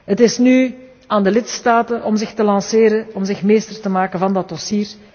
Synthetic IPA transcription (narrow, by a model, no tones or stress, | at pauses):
ɦətɪsny | aːndəlɪtstaːtənʔɔmzɪxtəlɑnsɪːɾəɔmzɪxmeːstərtəmaːkənvɑndɑt̚ɔsiːr